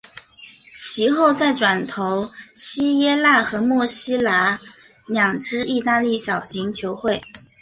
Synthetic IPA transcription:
t͡ɕʰi˧˥xo˥˧ʊt͡sa˥˩ɪʈ͡ʂwa˨˩nt̪ʰo˧˥ʊɕi˥jɛ˥la˥˩xɤ˧˥mwɔ˥˩ɕi˥la˧˥ | njɑ˨˩ŋʈ͡ʂɻ̩˥i˥˧t̪a˥˧li˥˩ɕjɑ˨˩ʊɕi˧˥ŋt͡ɕʰjo˧˥ʊxwe˥˩ɪ

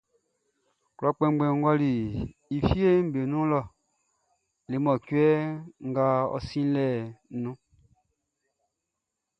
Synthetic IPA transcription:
klɔ˨˦k͡pɛ̃˦ɡ͡bɛ̃˨ŋ˦ɡwa˦li˨ | i˨fi˦e˦m̩˦be˨nũ˦lɔ˦˨ | le˨˦mɔ˨kwɛ˦ŋ˦ɡa˦ɔ̰˦sĩ˦lɛ˦˨nũ˦

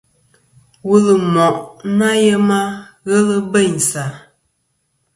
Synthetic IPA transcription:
wu˦lə˨mɔ˨ʔna˦jə˦ma˦ɣə˦lə˦bə˦˨ɲ˨sa˨

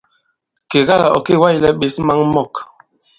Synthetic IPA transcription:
ke˨ɣa˦la̰˨ɔ̰˨ke˦˨wa˦˨ji˨lɛ˦ɓe˨˦sma˦ŋmɔ˦˨k

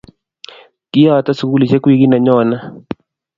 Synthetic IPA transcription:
ki˦a˦˨ta˦su˨ku˦li˨t͡ʃɛ˦kwi˦ki˦na˨ɲɔna˦

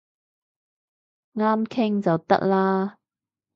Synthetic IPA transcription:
ŋaː˥mkʰɪ˥ŋt͡sɐ˨˩wt̪ɐ̰˥k̚laː˥

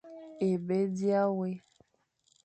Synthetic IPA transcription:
e˨be˦di˦a˦we˦

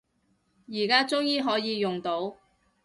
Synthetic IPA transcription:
jiː˨˩kaː˥t͡sʊ˥ŋjiː˨˧ɦɔː˨˥jiː˨˧jʊ˨ŋt̪o˨˥w

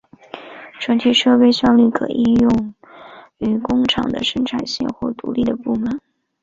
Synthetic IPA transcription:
ʈ͡ʂʰwə˧˥nt̪ʰi˨˥ʂɤ˥˧pe˥ɪɕɥɑ˥˧nly˥˩kʰɤ̰˨˩ʔi˥˧jʊ˥˩ŋ | y˨˩kʊ˥ŋʈ͡ʂʰɑ̰˨˩ŋd̪ə̰˦ʂə˥ŋʈ͡ʂʰa˨˩nɕjɛ̰˥˧xwɔ˥˩t̪ṵ˧˥li˥˩d̪ə˩pu˥˩mə˨˩˦n

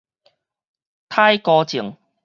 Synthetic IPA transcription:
t̪ʰaː˥jkɔː˧t͡ɕi˨˩əŋ

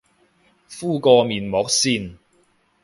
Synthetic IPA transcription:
fuː˥˩kɔː˧miː˨nmɔː˨˥k̚siː˧n

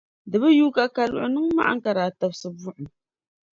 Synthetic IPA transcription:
dɨ˨bɨ˦juː˦ka˦ka˨lʊ̰˨ʔʊ˨nɨ˦ŋma̰˦ʔa̰˦ŋ̩˦ka˨ɾaː˨ta˨bsɨ˨bʊ˦ʔʊ˨

